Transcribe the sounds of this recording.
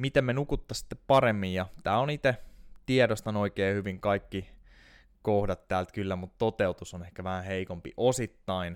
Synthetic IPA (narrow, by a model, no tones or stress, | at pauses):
mit̪emːenukut̪ːɑsi̥t̪ːeppɑɾemːijjɑt̪æːlonit̪et̪iedost̪ɑnoikeːhyʋiŋkɑikːi | kohdɑt̪tæːlt̪kylːæmut̪t̪ot̪eut̪usonehkæʋæhæheikompiʔosit̪ːɑin